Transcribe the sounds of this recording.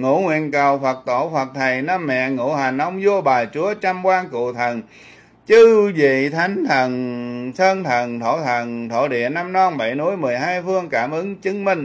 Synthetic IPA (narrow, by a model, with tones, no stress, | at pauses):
ŋṵ˧˩˥ŋwḭ˧˨ənkə˨˩wfə˨˩t̚t̪o˧˩fə˨˩t̚t̪ʰə˨˩jnaː˧mːɛ̰˧˨ŋṵ˧˥ɦa˨˩ŋʔə˧wŋ͡mzu˧əɓaː˨˩jt͡ɕu˨˦ət͡ɕa˧mkwaː˧ŋkṵ˧˨t̪ʰə˨˩n | t͡ɕɨ˧zḭ˧˨t̪ʰa˨˦jŋ̟t̪ʰə˨˩nsʰəː˧nt̪ʰə˨˩nt̪ʰo˧˩t̪ʰə˨˩nt̪ʰo̰˧˩ɗḭ˧˨əna˧mnɔ˧nɓa˧˩jnu˧˥əjmɨ˨˩əjɦaː˧jfɨ˧əŋkaː˧˩mʔɨ˨˦ŋt͡ɕɨ˨˦ŋmï˧ŋ̟